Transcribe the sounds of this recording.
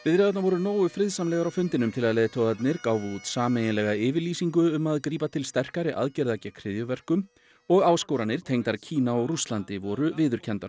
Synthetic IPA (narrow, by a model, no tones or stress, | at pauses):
vɪðɾeːðat̪navɔɾʏnoːwʏfɾɪðsamlɛɣaɾawfʏnt̪ɪnʏmt̪ʰɪlaðlejðt̪ʰowðat̪nɪɾkaːwvʏut̪saːmejnɪlɛɣaɪːvɪɾliːsiŋkʏʏmaðkɾiːpat̪ʰɪlst̪ɛr̥kaɾɪʔa̰ðcɛɾðacakʰɾɪːðjʏvɛr̥kʏm | ɔɣaːwskowɾanɪɾ̥t̪ʰejŋt̪aɾcʰiːnaɔɣrust̪lant̪ɪvɔɾʏvɪːðʏɾ̥cʰɛnt̪aɾ̥